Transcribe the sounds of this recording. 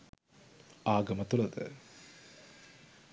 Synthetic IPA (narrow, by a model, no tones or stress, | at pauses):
aːɡɐmət̪ulɐd̪ə̰